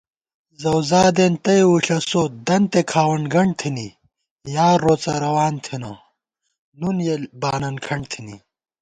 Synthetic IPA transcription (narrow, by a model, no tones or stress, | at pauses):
zɐwzaːd̪ent̪ɐjwuɬɐsod̪ɐnt̪ekʰaːwɐɳɡɐɳ̚t̪ʰini | jaːɾːot͡sɐɾɐwaːnt̪ʰino | nunjelbaːnɐnkʰɐɳɖt̪ʰini